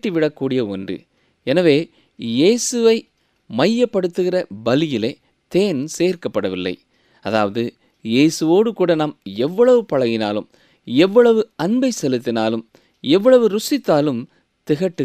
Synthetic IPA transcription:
ʈːiʋɪɽɐkːuːɽɪjɐɔndrɯ̰ | ɛnɐʋeː | jeːsɯʋɐɪ | mɐjːɐpːɐɽɯt̪ːɯɣɪrɐbɐlɪjɪleː | t̪eːnseːɾkɐpːɐɽɐʋɪlːɐ̰ɪ | ɐða̰ːʋɐðɯ | jeːsɯʋoːɽɯkuːɽɐnɐmɛʋːɐɭɐʋɯpɐɻɐɣɪna̰ːlɯ̰m | ɛʋːɐɭɐʋɯɐnbɐɪsɛlɯt̪ːɪnaːlɯm | ɛʋːɐɭɐʋɯɾʊsɪt̪ːaːlɯm | t̪ɪɣɐʈːɯ

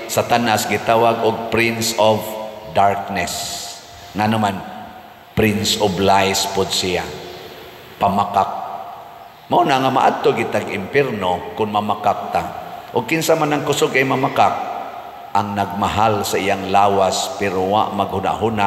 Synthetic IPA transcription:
sat̪anʔasɡɪt̪aːwaɡʊɡ̚pɾɪnsɔvd̪aɹk̚nɛs | ŋanʊman | pɾɪnsɔblajspʊd̪̚sija | pamakak̚ | maunaŋamaʔad̪̚t̪oɡɪt̪aɡɪmpjɛɾnokʊnmamakak̚t̪aʔʊɡ̚kɪnsamanaŋkʊsʊɡajmamakak̚ | ʔaŋnaɡ̚maɦalsaʔijaŋlaːwaspɛɾowa̰ʔmaɡ̚hʊna̰ʔɦʊna

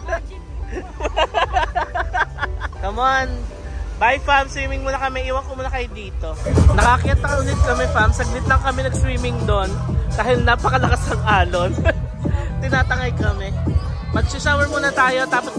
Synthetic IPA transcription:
k̪ɐmoʔanbajfamst̪ɹiːmɪŋmuːnɐkɐmɛʔiːwɐŋkomuːnɐkɐjʊd̪iːt̪o̞nɐkakɪjɐt̪̚ɐkɐʔʊlɪt̪̚kɐmɛfamsɐɡ̚nɪt̪̚lɐŋkɐmɛnɐɡst̪ɾiːmɪŋd̪ond̪̥aːhɪlnaːpɐkɐlɐkasɐŋʔaːlot̪ | t̪ɪnaːt̪ɐŋɐjkɐmɛ | mɐɡ̚sɪsawɛɹmuːnɐt̪aːjo̞t̪aːpɐt̪

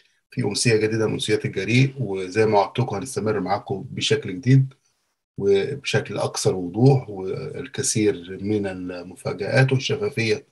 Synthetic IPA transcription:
fiʔʊnsejːæɡæd̪iːd̪æmʔo̰nsejæːt̪elɡæɾiːʔwezæjːmæʔʕab̚t̪okhænest̪æmerːmaʕaːkobeʃæklɡed̪iːd̪̚ | webeʃæklʔɑ̰ksˤɑɾˤwod̪ˤuːħwelkæsiːɾmɪnɪlmʊfæ̰ːɡæʔæːt̪weʃːæfæːfejːæ

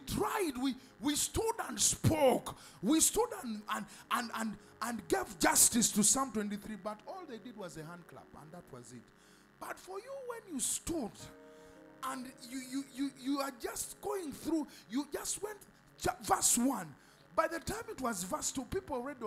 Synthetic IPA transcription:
tʰɹ̥aɪd̚wi | wistudə̃nspʰoʊk | wistudə̃nə̃nə̃nə̃n | ʔə̃nɡevd͡ʒʌstɨstɨsãmtw̥ɛ̃ntiθɹibʌɾɔlˠðeɪdɨd̚wʌzɨhæ̃nd̚kʰlʌ̰pə̰̃nðət̚ʰwʌ̰zɪt̚ | b̥ʌtfə˞juwɛ̃njɨstud | ə̃njujujujuə˞d͡ʒʌst̚ɡ̥oʊɪ̃ŋθɹujud͡ʒʌst̚wɛ̃nt | vɜ˞swʌ̃n | baɪðɨtãɪ̃mɨt̚wʌzvɜ˞stupipl̩ˠɹɛd

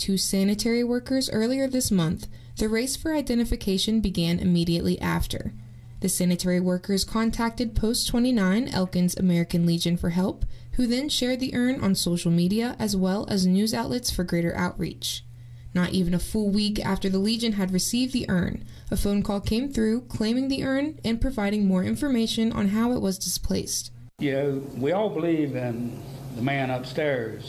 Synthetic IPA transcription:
tʰʉsænɨtʰɛɹiwɜ˞kə˞zɜ˞lˠiə˞ðɪsmʌ̃nθ | ðɨɹeɪsfə˞aɪdɛ̃ɾ̃ɨfɨkʰeɪʃɨ̃nbɨɡæ̃nʔɨ̰miɾiɨʔˡlʔiʔæ̰ftʰə̰˞ | ðɨsænɨtʰɛɹiwɜ˞kʰə˞z̥kʰɑ̃ntʰæk̚tɨd̚pʰoʊstʰw̥ɛ̃ɾ̃inãɪ̃nɛ̰lˠkɨ̃nzɨ̰mɛɹɨkɨ̃nlid͡ʒɨ̃nfə˞ɦɛlˠp | hʉðɨ̃nʃɛɹd̪̚ðiʔɜ̃˞nʔə̰̃nsoʊʃl̩ˠmiɾiɨʔɨzwɛlˠɨ̰znʉzaʊʔˡlɨtsfə˞ɡɹeɪɾə̰˞ʔa̰ʊʔ̚ɹḭt͡ʃ | nəɾʔivɨ̃nəfʊlˠwikæ̰ftə˞ðəlid͡ʒɨ̃nɨd̚ɹɨsivðiʔɜ̰̃˞n | əfõʊ̃nkʰɔlˠkʰẽɪ̃mθɹʉkʰl̥ẽɪ̃mɪ̃ŋðiʔɜ̃˞nɨ̃npʰɹ̥ɨvaɪɾɪ̃ŋmɔɹɪ̰̃ɱfə˞meɪʃɨ̃nʔə̰̃nɦaʊəʔwʔʌzdɨspʰl̥eɪst̚ | jɨwiɔlˠbəlivɪ̃nðəmæ̃nʌpstɛɹz̥

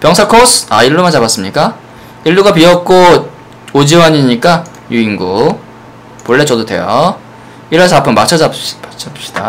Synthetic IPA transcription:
pjʌŋsʰakʰosʰaiɭːomad͡ʑabas͈ɯmɲik͈a | iɭːuɡapiʌk̚k͈o | od͡ʑiwaɲiɲik͈a | juiŋɡo | poɭːe̞t͡ɕʌdodwe̞jo̰ | iɾʌs̬ʰʌapʰɯmːat͡ɕʰʌd͡ʑat͡ɕʰaɕ͈i̥d̥a

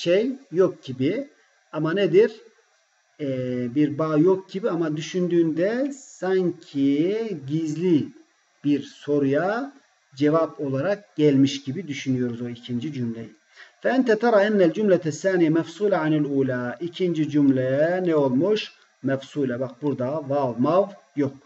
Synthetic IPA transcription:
ʃejːok̚ɟ̥ibi | amaned̪iɾ | biɾbaːjok̚ɟibiamad̪yʃynd̪yːnd̪ɛsaɲcʰiɟizlʲi | b̥iɾso̞ɾuja | d͡ʒɛvapo̞lˠaɾak̚ɟ̥ɛlʲmiʃɟibid̪yʃynyjo̞ɾuzo̞icʰind͡ʒid͡ʒymlɛji | fɛɛnt̪ʰɛt̪ʰɑɾˤɑːænːæld͡ʒumlɛæsːaːnijɛmɛfsuːlɛʕaniluːlaːicʰind͡ʒid͡ʒymlʲɛɛnɛo̞lˠmuʃ | mɛfsuːlɛbak̚buɾd̪avavˠmav | jok̚

